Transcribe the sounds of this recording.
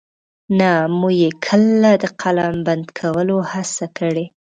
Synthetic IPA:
namuɡjekʰəlad̪əqʰalamband̪kʰawəlohasakəɽe

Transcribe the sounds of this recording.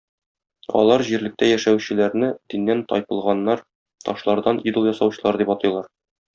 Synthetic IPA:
ɒ̰lˠɑɾʑiɾlɘ̆k̚t̪æjæʃæwɕɘ̆læɾnɘd̪inːænt̪ɒ̰jpɤ̆lˠʁɑnːɑɾ | t̪ɒʃlˠɑɾd̪ɑnid̪ɤ̆lˠjɒsɑwɕɤ̆lˠɑɾd̪ipɒt̪ɤ̆jlˠɑɾ

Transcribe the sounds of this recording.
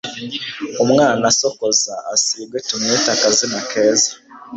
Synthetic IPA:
omwaːnasokozaːsiːbwetumeːtakazinakʰeːza

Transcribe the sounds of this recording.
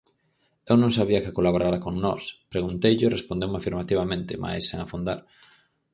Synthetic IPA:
ewnõŋsaβ̞iɐkɪkolaβoɾaɾakoŋnɔ̰spɾeɣunt̪ejʎʊrespond̪ewmafiɾmat̪iβ̞amẽnt̪ɪmʔa̰jsːeŋafund̪a̰ɾ

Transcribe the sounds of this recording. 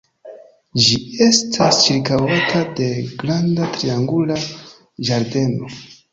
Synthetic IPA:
d͡ʒie̞stʰast͡ʃiɾkawatʰade̞ɡɾandatɾiaŋɡula | d͡ʒaɾde̞no̞

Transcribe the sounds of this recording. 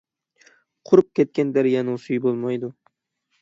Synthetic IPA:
qʰʊɾʊp̚kʲʰet̪̚kʲand̪aɾjanusʊjbolˠmajd̪ʊ

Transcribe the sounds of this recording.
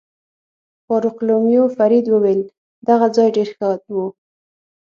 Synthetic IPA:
fɑɾʊqlomjofaɾid̪wəwel | d̪aɣad͡zɑjɖeɾxat̪wu

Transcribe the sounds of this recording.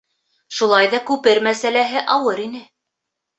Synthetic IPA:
ʃulˠɑjðɑkʉpɘɾmæsælæɦɘʔɑwɤɾinɘ

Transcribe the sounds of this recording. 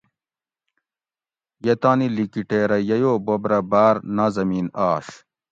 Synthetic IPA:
jɐt̪aːnilikiʈeːɾɐjɐjoːbobɾɐbaːɾnazɐmiːnaːɕ

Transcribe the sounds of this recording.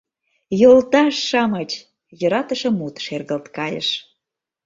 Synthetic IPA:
jolt̪ɑʃːɑmət͡ɕ | jə̆ɾɑt̪ə̆ʃə̆mut̪ʃerɣəlt̪kɑjə̰ʃ

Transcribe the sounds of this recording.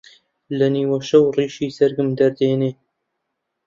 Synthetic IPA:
lɐniːwɐʃɐwriːʃiːsɐɾɡɨmd̪ɐɾd̪eːneː

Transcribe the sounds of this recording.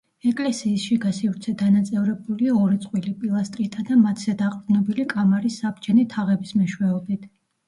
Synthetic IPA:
ɛkʼlɛsiːsʃiɡasivɾt̪sʰɛd̪anat̪sʼɛvɾɛbuliaɔɾit̪sʼqʼwilipʼilˠast̪ʼɾit̪ʰad̪amat̪ʰzɛd̪aqʼd̪nɔbilikʼamaɾisːabd͡ʒɛnit̪ʰaʁɛbismɛʃwɛɔbit̪ʰ

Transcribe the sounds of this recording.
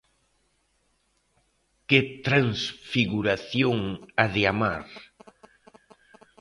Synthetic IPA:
ket̪ɾaŋsfiɣuɾaθjoŋaðeama̰ɾ

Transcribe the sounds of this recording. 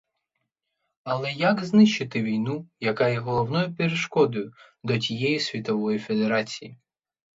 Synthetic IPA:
ɐlˠɛjaɡznɪʃɪt̪ɪʋʲijnujɐkɑjɛɦɔlˠɔwnɔjʊpʲeɾeʃkɔd̪ʊjʊ | d̪ɔtʲijɛjisʲʋʲit̪ɔʋɔjife̞d̪eɾɑt͡sʲiji

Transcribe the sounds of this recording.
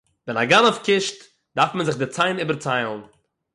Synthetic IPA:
vɛnaɡanɔfkɪʃt | daɾfmənzɪχdɪt͡saɪniːbəɾt͡saɪlˠn̩

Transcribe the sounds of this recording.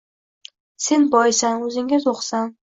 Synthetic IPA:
se̞nbɒjɪsanɵzɪŋɪzoqsan

